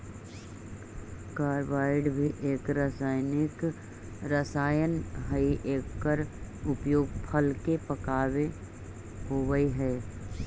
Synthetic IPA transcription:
kaːɾʋaːɪɖbʱiʔeːkɾasaːɪnɪk | ɾəsaːjənɦəiʔeːkːəɾʊpjoːɡ̚pʰəlkepəkaːʋe | hoːʋəiɦɛː

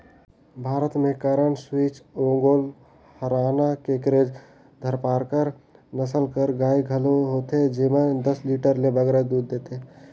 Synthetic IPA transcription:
bʱaːɾət̪mẽkəɾəɳswiːt͡ʃõːŋɡol | həɾaːnakekɾeːd͡ʒ | d̪ʱəɾpaːɾkəɾnəsəlkəɾɡaːiɡʱəloɦot̪ed͡ʒiməd̪əsliʈəɾlebəɡɾad̪uːd̪ːeːt̪e

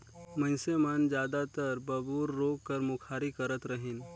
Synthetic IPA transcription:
mɐ̃ɪsemand͡ʒjaːd̪at̪əɾbɐbuːɾːoːkːəɾmʊkʰaːɾikəɾət̪ɾəɦɪn

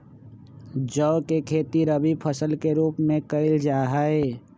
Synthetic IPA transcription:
d͡ʒɔʊkekʰeːt̪iɾəbipʰəsəlkeɾuːpmẽkəɪld͡ʒaːɦəe

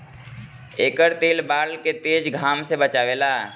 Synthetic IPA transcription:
eːkəɾt̪eːlbaːlket̪eːd͡ʒɡʱaːmsebət͡ʃaːʋeːlaː

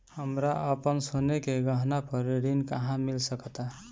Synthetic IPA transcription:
həmɾaəpənsonekeɡəɦnapəɾeɾinkaɦãmilsəkət̪a

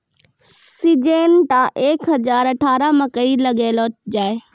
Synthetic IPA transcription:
sid͡ʒeːnʈ̪ãʔeːkɦɐd͡ʒaːɾɐʈʰaːɾamɐ̃kəilɐɡeːloːd͡ʒaːe

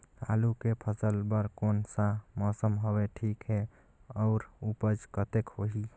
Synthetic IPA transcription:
a̰lukepʰəsəlbəɾkonsamɔsəmɦɔβeʈʰikɦe | ɔʊɾupəd͡ʒkət̪ekhoɦi

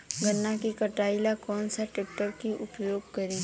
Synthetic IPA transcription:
ɡɐnːakikəʈaːɪlakɔːnsaʈeːk̚ʈəɾkiʔʊpjoːɡ̚kɐɾi

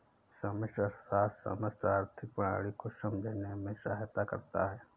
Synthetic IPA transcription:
səmɪʃʈəsaːssə̰məst̪ʰaːɾt̪ʰɪk̚pəɽa̰ːɽikoʃəmd̪ʱenemẽʃaːɦjət̪akɐ̰ɾt̪a̰ɦɛː

